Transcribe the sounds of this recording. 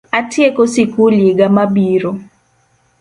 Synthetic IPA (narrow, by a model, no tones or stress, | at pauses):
atjekosikuliɡamabiɾo